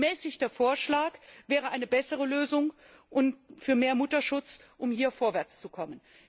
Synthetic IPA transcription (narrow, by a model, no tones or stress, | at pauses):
mɛːsɪçdɐfoːɐʃlaːkvɛːʁ̞əʔaɪnəbɛsəʁ̞əløːzʊŋ | ʔʊnfyːɐmeːɐmʊtɐʃʊt͡sʔʊmhiːɐfoːɐvɛɐt͡st͡sukʰɔmən